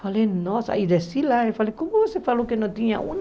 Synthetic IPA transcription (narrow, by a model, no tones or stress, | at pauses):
falenɔsa̰id̪esilaefalekõmʊvosefalokenɐ̃t̪ĩɲa̰ṵ̃n